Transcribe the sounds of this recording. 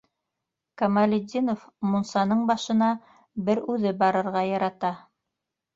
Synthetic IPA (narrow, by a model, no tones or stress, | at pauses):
kɐmalʲɪd̪ʲinofmunsɑnɤɴbɑʃɤ̆nɑ | bɘɾʉðɘbɑɾɤ̆ɾʁɑjɑɾɑt̪ɑ